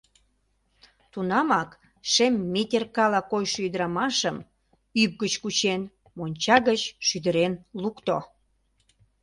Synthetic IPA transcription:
t̪unɑmɑk | ʃemʲːet̪ʲerkɑlɑkojʃoyd̪əɾɑmɑʃəm | yp̚ɡət͡ɕkut͡ɕen | monʲt͡ɕɑɣət͡ɕʃyd̪əɾenlukt̪o̰

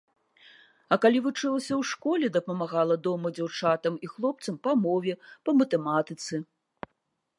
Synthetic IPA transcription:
ɐkalʲivut͡ʂɨlˠɐsʲɐwʂkɔlʲɛd̪ɐpɐmaɣalˠɐd̪ɔmɐd͡zʲawt͡ʂat̪ɐmixlˠɔp̚t̪sɐmpɐmɔvʲɛpɐmɐt̪ɛmat̪ɨt̪sɨ

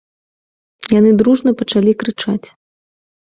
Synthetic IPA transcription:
janɨd̪ɾuʐnɐpɐt͡ʂalʲikɾɨt͡ʂat͡sʲ

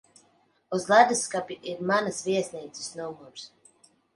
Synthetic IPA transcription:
uzlˠad̪ɨskapʲiʔiɾmanasvʲiɛsʲnʲiːt̪sɨ̥snumuɾs

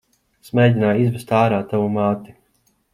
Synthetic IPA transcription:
smɛːd̪ʲinaːjizbɛst̪aːɾaːt̪ːavumaːt̪i̥

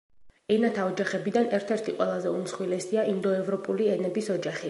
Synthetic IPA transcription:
ɛnat̪ʰaɔd͡ʒaχɛbid̪anɛɾt̪ʰɛɾt̪ʰiqʼwɛlˠazɛumsχwilɛsiaind̪ɔɛvɾɔpʼuliɛnɛbisɔd͡ʒaχi

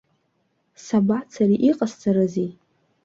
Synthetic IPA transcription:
sabat͡sʰariʔiqʼast͡sʰʼaɾazi

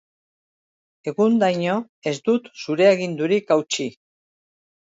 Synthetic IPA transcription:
e̞ɣund̪ajɲo̞ | e̞zd̪ut̪suɾe̞aɣind̪uɾikawt͡ʃi

